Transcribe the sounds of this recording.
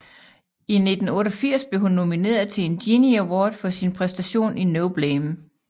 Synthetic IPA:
ʔine̝d̥n̩ɔ̽ːɾ̥ɒfiɐ̰sb̥le̝ɦunːo̝mine̝̰ːɐðˠt͡sʰe̝end̥iniæwɔːd̥fɒ̽sinpʰʁɛsd̥æɕo̝̰ːninoʊb̥lem

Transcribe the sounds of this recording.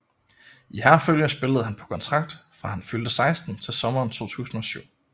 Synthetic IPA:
ʔihæɐføljəsb̥e̝ləð̞̩ˠhænpʰɒ̽kʰɒ̽nt͡sʰʁɑ̈ɡ̥̚d̥fʁɑ̈hænfyld̥əsɑ̈ɪsd̥n̩t͡sʰe̝lsɒ̽mɐːnt͡sʰo̝̰ːt͡sʰṵːsn̩ɒ̽syʊ̰

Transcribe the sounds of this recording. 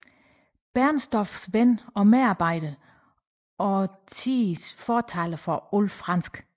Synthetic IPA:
b̥æɐnsd̥ɒfsʋenɒ̽meɑ̈ːb̥ɑ̈ɪ̰d̥ə | ɒ̽t͡sʰisfɒːt͡sʰæləfɒolfʁɑ̈n̰sɡ̥

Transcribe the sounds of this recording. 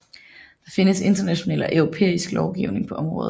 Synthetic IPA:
d̥ɑ̈fe̝nəse̝nd̥ɐnæɕo̝nɛ̰ːl̰ɒ̽ʔœʊʁo̝pʰḛːisɡ̥lɒʊɡ̥iʊne̝ŋpʰɒ̽ʔɒ̽mʁɔ̽ːð̩ˠ

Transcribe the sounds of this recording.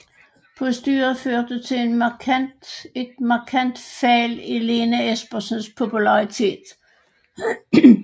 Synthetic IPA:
pʰɔ̽sd̥y̰ːɐɐføɐd̥ət͡sʰe̝en | e̝d̥mɑ̈kʰæn̰d̥fɛlele̝ːnəesb̥ɐsnspʰo̝pʰulɑ̈ʁit͡sʰe̝̰ːd̥

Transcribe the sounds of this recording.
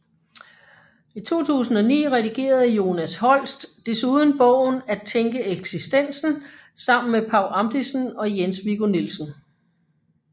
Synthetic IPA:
it͡sʰo̝̰ːt͡sʰṵːsn̩ɒ̽nḭːʁɛd̥iɡ̥e̝̰ːɐð̞̩ˠjo̝ːnæshɒ̽l̰sd̥ːe̝suð̞ˠn̩b̥ɔ̽ʊ̰n̩æt͡sʰeŋɡ̥əeɡ̥sisd̥en̰sn̩ | sɑ̈m̰n̩mepʰɑ̈ʊ̰lɑ̈md̥isn̩ɒ̽jensʋiɡ̥onilsən̩

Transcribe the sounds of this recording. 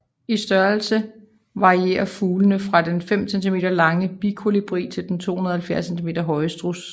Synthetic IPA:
isd̥ɶɐlsə | ʋɑ̈ʁie̝̰ːɐfuːlənəfʁɑ̈d̥enfem̰sent͡sʰime̝ːd̥ɐlɑ̈ŋəb̥ikʰo̝lib̥ʁḭːt͡sʰe̝ld̥ent͡sʰo̝̰ːhunɐð̩ˠɐhælfjæɐsent͡sʰime̝̰ːd̥ɐɦɒ̽ɪəsd̥ʁus

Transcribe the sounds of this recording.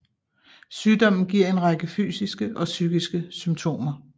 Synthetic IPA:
syːd̥ɒ̽m̰n̩ɡ̥iɐ̰e̝nʁɑ̈ɡ̥əfy̰ːsisɡ̥əʔɒ̽syːɡ̥isɡ̥əsymt͡sʰo̝̰ːmɐ

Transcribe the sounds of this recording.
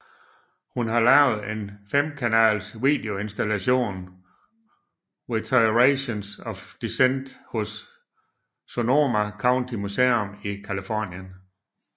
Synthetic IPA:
hunɦɑ̈lɛʊ̰ð̩ˠe̝nfem̰kʰænɛ̰ːlsʋiːd̥e̝o̝e̝nsd̥ælæɕo̝̰ːn | ʁit͡sʰɑɪʁeɕonsɒfd̥isend̥hɔ̽s | ono̝ːmækʰɑ̈ʊnt͡sʰimuseɔmikʰælifɒnjən

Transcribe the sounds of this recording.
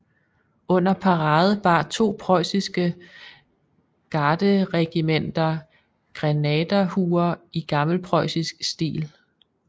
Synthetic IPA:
ɔ̽n̰ɐpʰɑ̈ʁɑ̈ːð̞̩ˠb̥ɑ̈t͡sʰo̝̰ːpʰʁɒɪsisɡ̥ə | ɡ̥ɑːd̥əʁɛɡ̥imen̰d̥ɐ | ɡ̥ʁɛnɛːd̥ɐhuːɐiɡ̥ɑ̈ml̩pʰʁɒɪsisɡ̥sd̥ḭːl

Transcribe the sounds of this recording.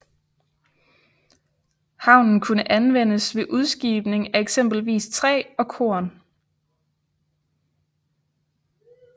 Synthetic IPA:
hɑ̈ʊ̰nn̩kʰunəʔænʋen̰əsʋe̝ʔuð̞ˠsɡ̥ḭːb̥ne̝ŋæeɡ̥sem̰b̥l̩ʋḭːst͡sʰʁɛ̰ːɒ̽kʰo̝̰ɐn

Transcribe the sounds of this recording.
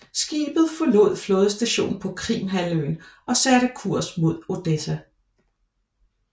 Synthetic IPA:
sɡ̥iːb̥ð̩ˠfɒ̽lo̝ð̞̰ˠflɔ̽ːð̞ˠsd̥æɕo̝̰ːn̩pʰɒ̽kʰʁḭːmɦæløɪnʔɒ̽sæɾ̥əkʰuɐ̰smo̝ð̞̰ˠo̝d̥esæ

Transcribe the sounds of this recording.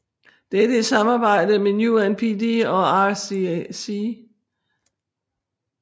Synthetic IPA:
d̥ed̥əe̥sɑ̈mɑ̈ːb̥ɑ̈ɪ̰d̥əmenjuænpʰidiɒ̽ɑsisi

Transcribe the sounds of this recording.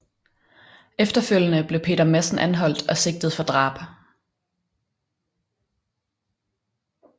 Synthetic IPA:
efd̥ɐføl̰jənəb̥le̝ʊpʰe̝̰ːd̥ɐmæsn̩ʔænɦɒ̽l̰d̥ɒ̽se̝ɡ̥̚d̥ð̩ˠfɒ̽d̥ʁɑ̰̈ːb̥

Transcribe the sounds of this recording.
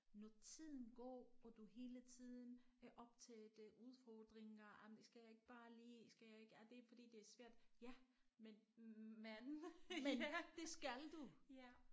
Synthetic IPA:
nɒt͡sʰið̰ˠn̩ɡ̥ɒ̰ːɒd̥uɦe̝ːlət͡sʰið̰ˠn̩ʔɒ̽b̥̚t͡sʰeːd̥əʔuð̞ˠfɒːd̥ʁeŋɐɑmd̥esɡ̥æjäe̝ɡ̥əb̥ɑ̈ːliːsɡ̥æjae̝ɡ̥æd̥e̝fɒ̽d̥ḭːd̥e̝æɐsʋæɐ̰d̥jæmenmænmend̥e̝sɡ̥æld̥u

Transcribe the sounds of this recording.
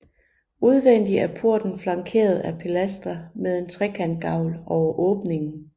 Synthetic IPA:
uð̞ˠʋen̰d̥iæɐpʰuɐ̰d̥n̩flɑ̈ŋkʰe̝̰ːɐð̞̩ˠæpʰelæsd̥ɐmeð̞ˠe̝nt͡sʰʁɛkʰæn̰d̥̚ɡ̥ɑ̈ʊlʔɒʊɐʔɔ̽ːb̥ne̝ŋn̩

